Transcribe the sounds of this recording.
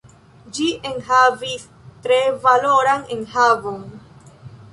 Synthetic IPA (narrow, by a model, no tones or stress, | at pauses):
d͡ʒiʔeŋɦaːvis | t̪ɾevaloːɾaŋeŋhaːvoŋ